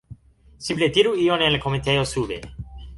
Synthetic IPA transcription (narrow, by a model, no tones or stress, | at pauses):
simplet̪iɾuionenlakoment̪ejosubḛ